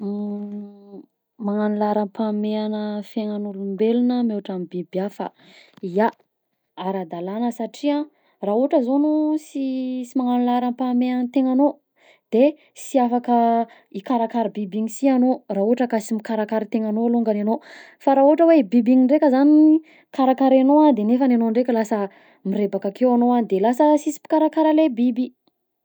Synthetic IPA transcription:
maŋanilaɾampameanəfeŋanulumbelunəmeaʈ͡ʂamibibiafa̰ | ia | aɾad̪alanəsaʈ͡ʂiã | rauʈ͡ʂəzonusisimaŋanilaɾampameanət̪eŋano | d̪̥e | siafakə | ikaɾakaɾibibiŋisianorauaʈ͡ʂəkasimikaɾakaɾit̪eŋanoaluŋɡanano | faɾauaʈ͡ʂəwebibiŋiɳɖ͡ʐekʲəzani | kaɾakaɾenoad̪enefananoɳɖ͡ʐekʲəlasə | mirebakakewanoand̪elasəsisi̥pi̥kaɾakaɾalebibi

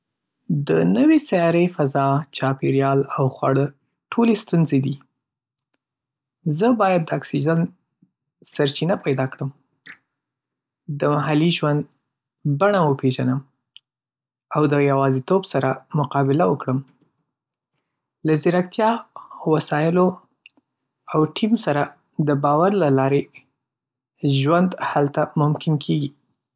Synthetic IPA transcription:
d̪ənəwesajɑɾəjfazɑt͡ʃɑpeɾjɑlawxwa̰ɽə | ʈʰolest̪unzed̪i | zəbɑjad̪ːəɑksid͡ʒan | saɾt͡ʃinapajd̪ɑkɽəm | d̪əmaɦaliʒwand̪ | baɳawəpʰeʒanəm | awd̪əjawɑzit̪obsaɾamʊqɑbɪlawəkɽəm | lazɪɾak̚t̪jɑwasɑjɪlo | awʈʰimsaɾa | d̪əbɑwaɾlalɑɾe | ʒwand̪halt̪amʊmkɪnkʰeɡi

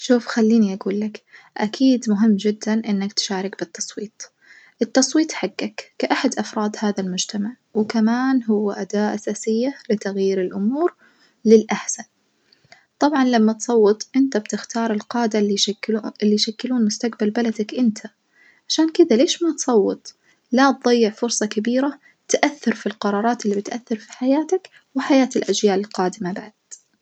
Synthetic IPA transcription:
ʃuːfxalːiːniʔaɡuːlːak | ʔakʰiːd̪mʊɦɪmːd͡ʒɪd̪ːanʔɪnːakt̪ɪ̥ʃaːɾɪkbɪt̪ːɑsˤwiːt̪ˤ | ʔɪt̪ːɑsˤwiːt̪ˤħaɡːakːaʔaħad̪ʔɑfɾˤɑːd̪haːðalmʊd͡ʒt̪amaʕ | wɪkamaːnɦʊwːaʔad̪aːʔʔasaːsɪjːalɪt̪aɣjiːɾɪlʔʊmuːɾ | lɪlʔaħsan | t̪ˤɑbʕɑnlamːat̪sˤɑwːɨt̪ˤʔɪnt̪abt̪ɪxt̪ɑːɾˤɪlqɑːd̪a | ɪlːiʃakːɪluːnmʊst̪aqbalbalad̪akʔɪnt̪ʰa | ʕaʃaːnkɪd̪aleːʃmat̪sˤɑwːɨt̪ˤ | lat̪̚ðˤɑjːɪʕfʊɾsˤɑkabiːɾa | t̪ʔaθːɑɾfilqɑɾˤɑːɾˤɑːt̪ɪlːibɪt̪ʔaθːɑɾfi̥ħajaːt̪ak | wɪħajaːt̪ɪlʔad͡ʒjaːlɪlqɑːd̪ɪmabaʕad̪̥

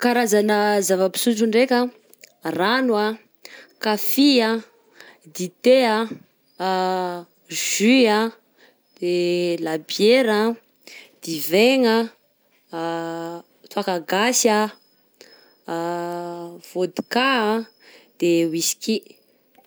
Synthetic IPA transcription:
kaɾazanəzavəpi̥suʈ͡ʂuɳɖ͡ʐekʲə | ranwa | kafia | d̪it̪ea | ʒ̥ya | d̪̥elabjeɾa | d̪̥iveŋə | t̪uakaɡasa | v̥od̪i̥ka | d̪̥ewisi̥kʲi

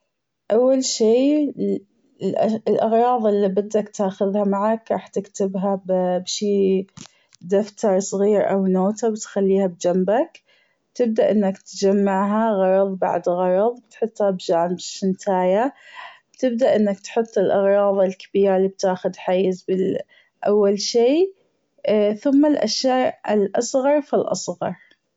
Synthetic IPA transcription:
ʔawːalʃiː | lʔlʔɑɣɾˤɑːðˤɪlːibɪd̪ːakt̪aːxʊðhamaʕakɾˤɑ̰ːħt̪ɪkt̪ɪbɦabbʃiː | d̪aft̪ɑɾˤsˤɣiːɾʔa̰wnoːt̪abt̪xalːiːhab̚d͡ʒambak | bt̪ɪb̚d̪aʔɪnːakt̪d͡ʒamːaʕɦaɣɑɾˤɑðˤba̰ʕd̪ɣɑɾˤɑðˤb̚t̪ħʊt̪ˤːhabd͡ʒaːmbʃɪnt̪ʰaːjab̥t̪ɪb̚d̪aʔɪnːak̚t̪ħʊt̪ˤːɪlʔɑɣɾˤɑːðˤɪlkḁbiːɾalib̚t̪aːxʊd̪ħajːɪzbɪ | ʔawːalʃiː | θʊmːalʔa̰ʃjaːʔɪlʔɑsˤɣɑɾˤfilʔɑ̰sˤɣɑɾˤ

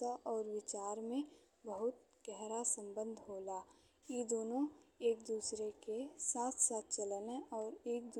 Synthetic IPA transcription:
aʔɔːɾʋɪt͡ʃaːɾmẽ | bəɦʊt̪̚ | ɡ̥ɛɦɾasə̃mbə̃nd̪ʱɦoːlaː | jed̪oːnõeːk̚d̪uːsɾekesaːt̪ʰsaːt̪̚t͡ʃɐlneɔːɾeːk̚d̪

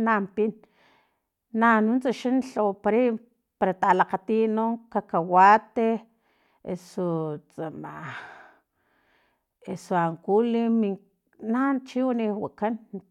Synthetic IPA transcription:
nampin | anunt͡saʃanɬopaɾi | paɾat̪alaqat̪inoŋkakawat̪e | esot͡sama | esoaŋkulimi | nant͡ʃiwaniwakan

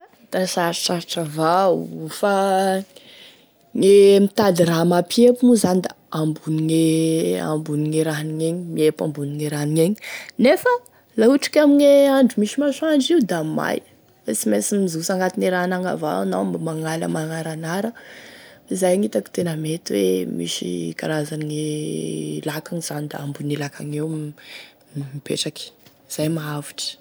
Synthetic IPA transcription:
d̪̥asaɾaʈ͡ʂaɾʈ͡ʂavaufa | ŋemit̪alramapiepunuzand̪a | ambuniŋea̰mbuniŋeɾaɦniŋeɲimiepambuniŋeɾaɦniɲeɲinefə | lauʈ͡ʂi̥kʲamiɲeaɳɖ͡ʐumiʃimaʃuaɳɖ͡ʐiud̪ama̰j | t͡simesimmizusaŋɡat̪ineɾaɦanaŋa̰va̰nawmbmaŋalə̰maŋaɾanaɾə | izajaŋit̪aki̥t̪enəmet̪iwḛmḭʃḭka̰ɾazaniŋe | lakaŋiz̥anid̪a̰ambunilakʰaŋew | mipḛʈ͡ʂaki̥ | z̥ajmaaviʈ͡ʂə̥

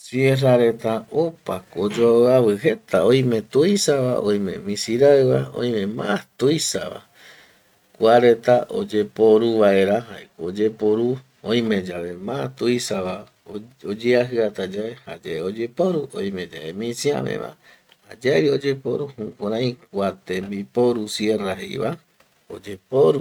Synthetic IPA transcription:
sjeraɾe̞t̪aopakod͡ʒoaaβɨɦe̞t̪aõj̃mẽ̞t̪uisaβa̰ʔõ̰j̃mḛ̃mĩsiɾaɨβaõ̰j̃mẽ̞mãt̪ujsa̰βa̰ | kʷaɾe̞t̪aʔo̰d͡ʒepo̞ɾuβae̞ɾaɦaekood͡ʒepoɾu | õj̃mẽ̞d͡ʒaβe̞mãat̪uisaβa | od͡ʒeaɦɨat̪ad͡ʒaehad͡ʒaeod͡ʒepoɾuõ̰j̃mẽ̞d͡ʒa̰emĩsiã̰mḛ̃βã̰ | had͡ʒaβio̞d͡ʒe̞poɾuhukʷaɾãj̃k̚ʷat̪ẽmbipoɾusje̞raɦḛj̰βa | od͡ʒepoɾu

